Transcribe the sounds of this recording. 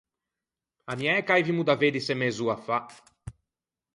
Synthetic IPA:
amjaɛkajvimud̪aved̪isemezuafa

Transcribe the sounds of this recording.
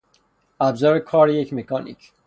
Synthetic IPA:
æbzɒːɾekʰɒːɾejecʰmekʰɒːnḭːcʰ

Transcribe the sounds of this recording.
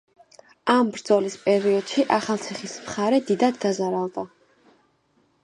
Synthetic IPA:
ambɾd̪zɔlispʼɛɾiɔd̪̥ʃiʔaχalˠt̪sʰiχismχaɾɛd̪id̪ad̪ːazaɾalˠd̪ʼa

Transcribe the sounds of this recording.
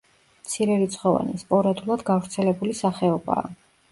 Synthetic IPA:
mt̪sʰiɾɛɾit̪sʰχɔva̰nispʼɔɾad̪ulˠad̪ɡavɾt̪sʰɛlɛbulisaχɛɔba̰ː

